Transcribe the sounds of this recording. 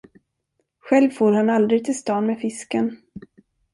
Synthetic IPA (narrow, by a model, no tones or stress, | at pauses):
ɧɛlvfoːɾhanald̪ɾɪɡ̚t̪ʰɪlst̪ɑːnmeːfɪskən